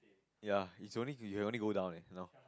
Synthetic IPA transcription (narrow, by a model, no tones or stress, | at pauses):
jaisõʊ̃nlijukʰõʊ̃nliɡoʊdãʊ̃nɪnoʊ